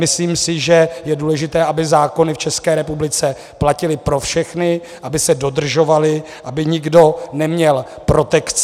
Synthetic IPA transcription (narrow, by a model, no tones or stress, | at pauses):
mɪsliːmsɪʒɛjɛduːlɛʒɪt̪ɛːʔabɪzaːko̞nɪft͡ʃɛskɛːɾɛpublɪt͡sɛ | placɪlɪpɾo̞fʃɛxnɪ | ʔabɪsɛdo̞dr̩ʒo̞valɪ | ʔabɪɲɪɡdo̞nɛmɲɛlpɾo̞t̪ɛkt͡s